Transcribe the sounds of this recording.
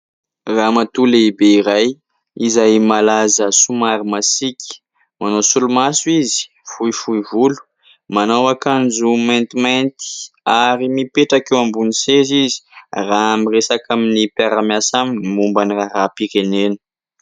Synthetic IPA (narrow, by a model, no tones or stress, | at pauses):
ramat̪uleibeiɾaj | izajmalazəsumaɾimasikʲi̥ | manosulumasuizi̥ | fujfuivulu̥ | manawakand͡ʒumajnt̪imajnt̪i̥aɾimipeʈ͡ʂakewambunisezizi̥raamiresakaminipaɾamjasamimumbaniraɾapiɾenenu̥